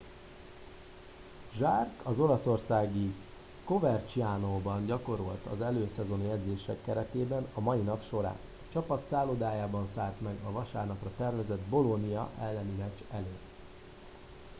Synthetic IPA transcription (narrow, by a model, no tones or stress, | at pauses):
ʒarkʰɒzo̞lɒso̞rsaːɡi | ko̞vɛrt͡ʃiaːnoːbɒnɟɒko̞ɾolt̪ɒ̰zɛløːsɛzo̞njɛd̪zeːʃɛkːɛɾɛt̪eːbɛnɒmɒinɒpʃo̞ɾa̰ːɒt͡ʃɒpɒt̪saːlod̪aːjaːbɒnsaːlt̪mɛɡɒvɒʃa̰ːrnɒprɒt̪ɛrvɛzɛd̪bo̞lo̞nijɒʔɛlːɛnimɛt͡ʃɛleː